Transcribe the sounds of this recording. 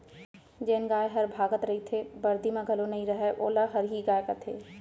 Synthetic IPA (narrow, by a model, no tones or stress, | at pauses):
d͡ʒeːnɡaːjɦɐɾbʱaːɡət̪ɾɐɦit̪ʰebɐɾd̪imẽɡʱɐlonɐɦĩɾɐɦɛʔoːlaɦɐɾɦiɡaːjkat̪ʰeː